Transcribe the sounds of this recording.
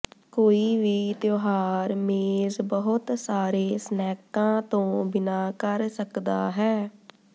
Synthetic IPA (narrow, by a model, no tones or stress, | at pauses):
koːiːʋiːt̪joːɦaːɾmeːzbəɦʊt̪saːɾeːsnɛːkãːt̪õːbɪnaːkəɾsəkd̪aːɦɛː